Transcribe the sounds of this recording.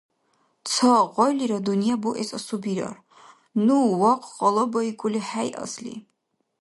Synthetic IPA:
t͡sʰəqʼɔjliɾad̪unijabuʔɛsasubiɾa̰r | nuwɔqʷʼʰqʼɔlˠɔbɐikʷʼuliħajʔa̰slḭ

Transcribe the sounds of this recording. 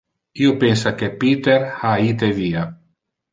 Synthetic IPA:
iopens̬akepiːt̪erhaiːt̪eviːa

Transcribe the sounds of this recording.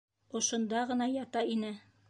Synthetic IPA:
ŏʃŏnd̪ɑʁɤ̆nɑjɑt̪ɑinɘ

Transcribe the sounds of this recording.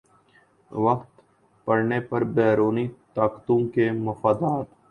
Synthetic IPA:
ʋɐkt̪ | pəɽnepɐɾbɛːɾoːnit̪aːkt̪õkemɐfaːd̪aːt̪

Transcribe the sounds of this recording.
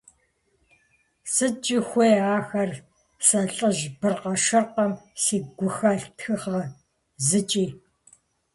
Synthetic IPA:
sɨt͡ʃʼɪxʷeːaːxɐr | sɐɬʼəʒbɨrqɐʃɨrqɐmsiːɡʷʊxɐɬtxɨχɐ | zɨt͡ʃʼiː

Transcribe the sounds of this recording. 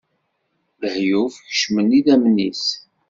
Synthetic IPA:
ðəhjufçəʃmənːiðæmnis

